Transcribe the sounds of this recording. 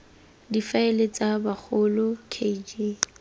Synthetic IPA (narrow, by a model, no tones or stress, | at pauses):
difaelet͡sʼabak͡xʰʊlʊkʰed͡ʒe